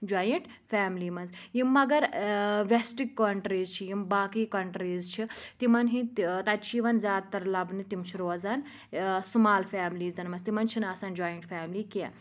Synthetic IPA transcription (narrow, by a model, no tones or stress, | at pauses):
d͡ʒaːjɐɳʈ | faːmliːmɐnzjimːɐɡɐɾʋesʈikːɐɳʈɾiːzt͡ʃʰijimbaːkiːkɐɳʈɾiːzt͡ʃʰit̪imɐnɦĩt̪ɐt͡ʃʰiʋɐnzʲaːd̪̚t̪ːɐɾlɐbnit̪imt͡ʃʰiɾoːzɐn | sumaːlfaːmliːzzɐnmɐnzt̪imɐnt͡ʃʰinɐsɐːnd͡ʒaːjɐɳʈfʰʲaːmliːke